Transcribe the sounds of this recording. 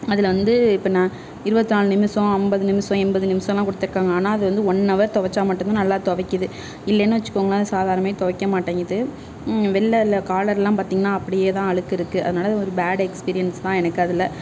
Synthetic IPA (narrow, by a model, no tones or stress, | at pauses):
ɐðɪlʋɐnd̪ɯɪpːɐnãː | ɪɾɯbɐt̪ːɯnaːɭɯnɪmɪsɔ̃ɐmbɐðɯnɪmɪsɔ̃ɛmbɐðɯnɪmɪsɐ̃ɔ̃ɛlːãːkʊɽɯt̪ːɪɾɯkːaːŋɡɐaːnaːɐðɯʋɐnd̪ɯɔnːɐʋɐɾt̪ɔʋɐt͡ʃːaːmɐʈːɯnt̪ãːnɐlːaːt̪ɔʋɐkːɯðɯ | ɪlːɛnːɯʋɐt͡ʃːɯ̥kːoːŋɐnaːɐðɯsaːðaːɾɐnɐmajet̪ɔʋɐkːɐmaːʈːaːŋɡɪðɯ | ʋɛlːɐlɐkaːlɐɾɛlːãːpaːɾt̪iːŋɡɐnːaːɐpːɐɽɪjeːt̪ãːɐɭɯkːɪɾɯkːɯʔɐ̰ðɯnaːlɐðɔɾɯbaːɽɛkspiːɾɪjɐnst̪ãːɛnɐkːɯɐðɪlɐ